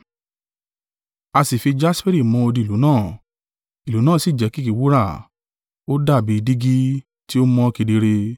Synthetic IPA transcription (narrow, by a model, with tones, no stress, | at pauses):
a˧si˨fi˧d͡ʒa˦spɛ˦ɾi˦˨mɔ̃˧˦o˧di˧i˨u˨˦nãː˦˨ | i˨lu˨˦nãː˦˨si˨d͡ʒɛ˨˦ki˦ki˨˦wu˦ɾa˦˨ | o˦da˦˨bi˨˦˧di˦ɡi˦ | ti˦o˦mɔ̃˦ki˧di˧ɾe˧